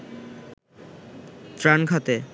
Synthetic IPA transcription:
t̪ɾanɡʱat̪e

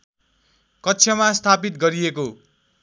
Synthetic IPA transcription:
kʌtːsʰjʌmast̪ʰapit̪̚ɡʌɾieko

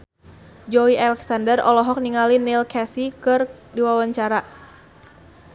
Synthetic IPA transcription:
d͡ʒɔialɛksandərɔlɔɦɔk̚niŋalinilkɛsikɨrdiwawaɲt͡ʃaɾa

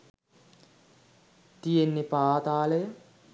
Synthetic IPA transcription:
t̪ijenːepaːt̪aːləjə

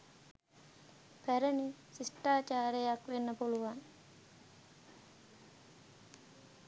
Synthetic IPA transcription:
pæɾənesisʈaːt͡ʃaːɾejakʋenːəpuluwan

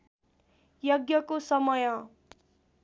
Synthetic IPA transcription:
jʌɡjʌkosʌmʌjʌ̃

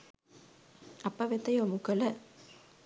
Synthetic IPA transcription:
ɐpːɐʋet̪ːɐjomukɐlɐ

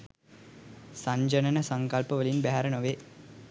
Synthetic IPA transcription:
saɲd͡ʒənənəsaŋkalpəʋəlinbæɦaɾənoʋe

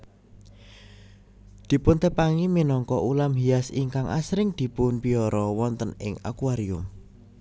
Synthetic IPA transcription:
d̪̥i̤pʊnt̪əpaŋiminɔŋkɔʔulamɦiasiŋkaŋʔa̰sɾɪŋd̪̥i̤pʊnpiɔɾɔwɔnt̪ənɪ̰ŋa̰kuaɾiʊm

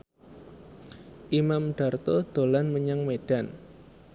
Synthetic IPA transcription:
ʔimamɖ̥a̤rt̪ɔd̪̥o̤lanməɲaŋmeɖ̥an

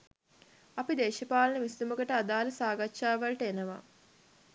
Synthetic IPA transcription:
ɐpid̪eːʃɐpaːlɐnəmisd̪uməɡəʈəad̪aːlɐsaːɡɐtːʃaːʋɐlʈəenəʋa̰

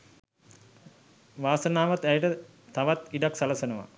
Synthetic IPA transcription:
ʋaːsənaːʋat̪æjəʈə | t̪aʋat̪iɖaksaləsənəʋa̰

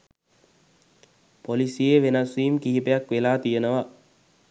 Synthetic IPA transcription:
polisijeʋenɐsʋiːmkiɦipejakʋelaːt̪ijənəʋa

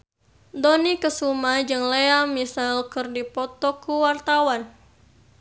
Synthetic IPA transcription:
dɔnikəsumad͡ʒɨŋleamisalkɨrdipɔt̪ɔkuwart̪awan

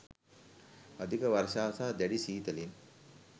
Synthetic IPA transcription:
ɐd̪ʱikəʋaɾʃaːsaːd̪æɖisiːt̪ɐlin

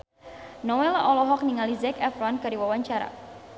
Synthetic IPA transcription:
nɔwɛlaʔɔlɔɦɔk̚niŋalizɛkɛfɾankarɾiwawaɲt͡ʃaɾa̰

